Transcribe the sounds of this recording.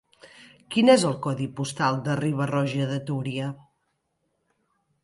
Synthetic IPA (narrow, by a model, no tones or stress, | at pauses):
kinɛzəlˠkɔðipust̪alˠd̪əriβ̞ərɔʒəðət̪uɾiə